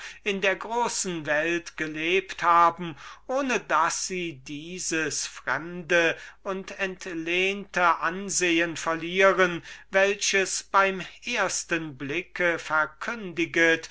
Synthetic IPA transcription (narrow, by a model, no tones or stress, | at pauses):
ɪndeːɐɡʁoːsn̩vɛltɡ̥əleːpthaːbm̩ʔoːnədasz̥iːdiːzəsfʁ̥ɛ̰mdəʊntɛntleːntəʔanzeːənfɛɐliːʁənvɛlɕəsb̥aɪmʔeːɐstənblɪkʰəfɛɐkʰʏndɪɡət